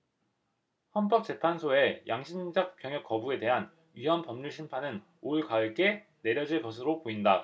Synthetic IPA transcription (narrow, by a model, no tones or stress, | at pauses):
hʌnp͈ʌk̚t͡ɕ͈e̞pʰansʰoe̞jʔaŋɕʰind͡ʑʌk̚p͈jʌŋjʌk͈ʌbue̞de̞ɦan | ɥiɦʌmpʌmɲuɭɕʰinpʰanɯn | oɭkaɯɭk͈e̞ | ne̞ɾjʌd͡ʑiɭkʌsʰɯɾopoinda